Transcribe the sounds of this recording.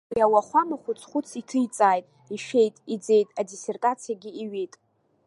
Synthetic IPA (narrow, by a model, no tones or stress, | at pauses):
awaχʷamaχʷʊt͡sʰʼχʷʊt͡sʰitʰɨjt͡sʼaːjtʼ | iʃe̞jtʼid͡ze̞jtʼadise̞rtʼat͡sʰijaɡʲiiɥijtʼ